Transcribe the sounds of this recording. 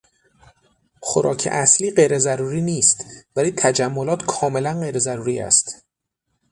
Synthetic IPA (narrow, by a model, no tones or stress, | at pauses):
xoɾɒ̰ːcʰḛʔæsliːɢe̞jɾe̞zæɾuːɾiːniːst̪væliːt̪ʰæd͡ʒæmːolɒːt̪ʰkʰɒːme̞lænɢe̞jɾezæɾuːɾiːæ̰st̪